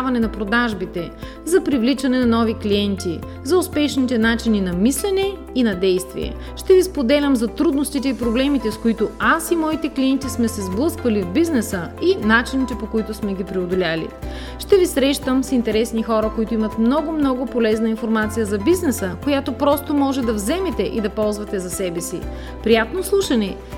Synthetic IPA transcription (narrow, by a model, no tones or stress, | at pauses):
avɐnɛnɐpɾod̪aʒbit̪ɛ | zɐpɾivlit͡ʃɐnɛnɐnɔviklijɛnt̪i | zɐʊspɛʃnit̪ɛnat͡ʃininɐmislɛnɛ | inɐd̪ɛjst̪vḭɛ̰ | ʃt̪ɛvispod̪ɛlʲəmzɐt̪ɾud̪nost̪it̪ɛipɾoblɛmit̪ɛskoit̪oasimɔit̪ɛkliɛnt̪ismɛsɛzblˠɤskvɐlivbiznɛsəinat͡ʃinit̪ɛpokoit̪ʊsmɛɡʲipɾiod̪olʲalḭ | ʃt̪ɛvisɾɛʃt̪əmsint̪ɛɾɛsnixɔɾəkoit̪ʊimɐt̪mnɔɡomnɔɡʊpolɛznɐinfoɾmat̪sijəzɐbiznɛsəkojat̪opɾɔst̪omɔʒɛd̪ɐvzɛmɛt̪ɛʔid̪ɐpɔlˠzvɐt̪ɛzɐsɛbɛsḭ | pɾijat̪noslˠuʃɐnɛ